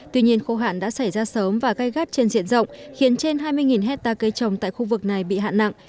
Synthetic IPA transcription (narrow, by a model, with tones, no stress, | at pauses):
t̪wi˧ɲi˧ənxo˧ɦa̰ː˧˨nɗa̰ː˧˥sa˧˩jzaː˧səː˨˦mvaː˨˩ɣa˧jɣa˦˥t̚t͡ɕe˧nzḭ˧˨ənzə̰˧˨wŋ͡mxi˨˦ənt͡ɕe˧nɦaː˧jmɨ˧əjŋi˨˩nɦɛ˦˥t̚t̪aː˧kə˧jt͡ɕə˨˩wŋ͡mt̪a̰ː˧˨jxu˧vɨ˨˩k̚na˨˩jɓḭ˧˨ɦa̰ː˧˨nːa̰˧˨ŋʔ